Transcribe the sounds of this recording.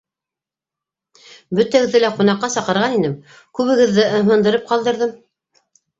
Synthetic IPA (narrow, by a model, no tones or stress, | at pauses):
bɵt̪æɡɘ̆ðːɘlæqunɑqːɑsɑqɤ̆ɾʁɑninɘm | kʉβɘ̆ɡɘ̆ðːɘʔɤ̆ɦɤ̆nd̪ɤ̆ɾɤp̚qɑlˠd̪ɤ̆ɾðɤm